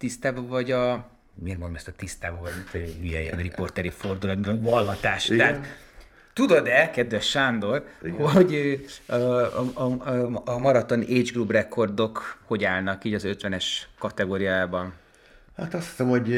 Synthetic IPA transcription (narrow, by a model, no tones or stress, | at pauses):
t̪ist̪aːbɒvɒɟɒ | mermond̪omɛst̪ɒt̪ist̪aːbɒvɒɟmint̪ɔɦyjɛjɛ̰nripo̞rt̪ɛɾiford̪ulɒid̪onvɒlːɒt̪aːʃt̪ɛɦat̪ | t̪ud̪od̪ɛkɛd̪ʋɛʃːand̪o̞rhoɟø | mɒɾɒt̪o̞nʔeːd͡ʒɡrubrɛkʰo̞rd̪o̞kho̞ɟaːlnɒkiːɟɒzø̞t̪ʋɛnɛʃkɒt̪ɛɡoːɾijajːbɒn | hat̪ɒst̪i̥sɛmhoɟ